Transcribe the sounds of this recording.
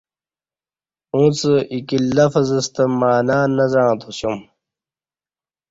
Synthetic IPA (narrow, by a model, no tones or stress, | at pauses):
ũːt͡səʔikilːɐfɐzɐst̪ɐmaːnaːnɐzãːt̪ʰuɕjum